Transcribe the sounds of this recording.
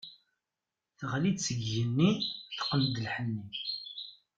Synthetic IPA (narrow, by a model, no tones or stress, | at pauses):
θʁlid̪səɡjənːiθqənd̪əlħənːi